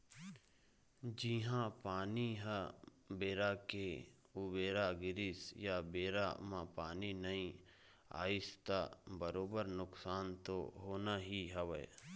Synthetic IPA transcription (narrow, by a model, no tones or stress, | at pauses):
d͡ʒiɦãpaːniɦ | beːɾake | ubeːɾaɡɪɾɪsjabeːɾamãpaːninɐĩ | a̰ːɪst̪abəɾoːbəɾnʊksaːnt̪oɦoːnaɦiɦəʋə